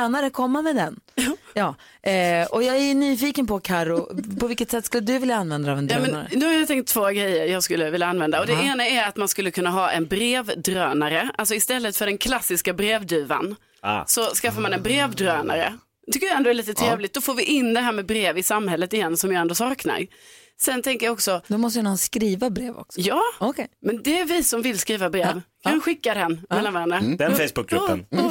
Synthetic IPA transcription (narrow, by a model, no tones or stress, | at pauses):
naɾəkʰɔmːamɛːd̪ɛnjɑːjɑː | ɔjɑːɡænyːfiːkənpʰɔkʰaɾʊpʰɔvɪlkːət̪sɛt̪ːskɵlːəd̪ɵvɪljaanvɛnd̪aavɛnjːmɛna̰ɾ̰nɵhajat̪ʰɛŋk̚t̪ʰːvoːɡɾɛjːəɾjɑːɡskɵlːəvɪljaanvɛnd̪aɔd̪ɛeːnaɛɾat̪manskɵlːəkʰɵnːaɦɑːʔɛnbɾeːvd̪ɾøːnaɾəʔa̰ls̬ɔɪst̪ɛlːət̪fœɖɛnkʰlasːɪskabɾeːvd̪ʉ̟ːva̰n | sɔskafːaɾmanɛnbɾeːvd̪ɾøːna̰ɾə̰ | t̪ʰʏkːəjɛnd̪oɛlɭiːt̪ət̪ʰɾeːvlɪkt̪̚d̪ɔfoːɾvɪʔɪnd̪ɛɦæːɾmɛbɾeːvɪsamːhɛlːət̪ɪjɛnːsɔmjɑːɛnd̪oːsɑːkna̰ɾ | sɛnt̪ʰɛŋkəɾjaɔksɔd̪ɔmɔst̪əjnskɾiːvabɾeːvɔ̰ksɔjɑːkmɛnd̪ɛːɾvɪsɔmvɪlskɾiːvabɾeːvkʰanɧɪkːad̪ɛnmɛlːanvɛnəd̪ɛnfejsbʊk̚ɡɾɵpːən